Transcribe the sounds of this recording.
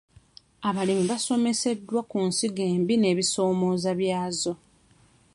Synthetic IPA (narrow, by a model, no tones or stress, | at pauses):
aβalimiβaso̞me̞se̞dːwakunsiɡe̞ːmbine̞ːβiso̞ːmo̞ːzaβjaːzo̞